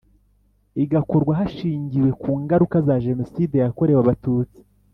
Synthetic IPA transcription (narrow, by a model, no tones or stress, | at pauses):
iɡako̞ɾɡwaɦaʃiːɲɟiwe̞kuːŋɡaɾukazaʒe̞no̞side̞jako̞ɾe̞waβatuːt͡si̥